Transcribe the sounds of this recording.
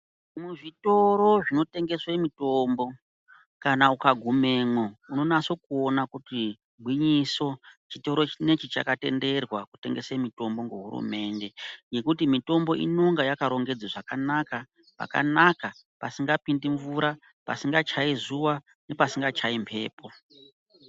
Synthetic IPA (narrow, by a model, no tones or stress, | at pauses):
muʐito̞ɾo̞ʐino̞te̞ŋɡe̞swemitoːmbo̞ | kanaukaɡʱume̞ːmouno̞naso̞kuonakuti | bʱwiɲiso̞t͡ʃito̞ɾo̞t͡ʃine̞t͡ʃit͡ʃa̰kate̞̰nde̞rwakute̞̰ŋɡe̞semito̞mbo̞ŋɡuɦṵɾṵme̞ːnde̞je̞kutimito̞mbo̞ḭnoŋɡajakaɾo̞ŋɡe̞d͡zaʐakanaka | pa̰ka̰naka | pasiŋɡapindiɱvuɾa | pa̰siŋɡat͡ʃaizuwa | ne̞pasiŋɡat͡ʃaimpʰe̞̰ːpʰo̞